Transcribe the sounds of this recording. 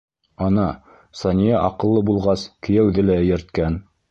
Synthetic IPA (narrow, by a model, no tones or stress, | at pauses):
ɑnɑ | sɑnʲijɑʔɑqɤ̆lˠːɤbulˠʁɑskɘ̆jæwðɘlæɘ̆jɘ̆ɾt̪̚kæn